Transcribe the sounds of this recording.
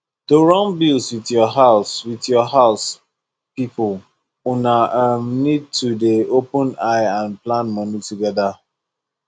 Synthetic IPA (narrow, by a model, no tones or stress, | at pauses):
d̥oɹɔ̃ŋbilswitjɔɦaʊswiðjɔɦaʊs | pipʊl | unaəmnid̚tudeopə̃naɪãnplãnmɔnituɡɛða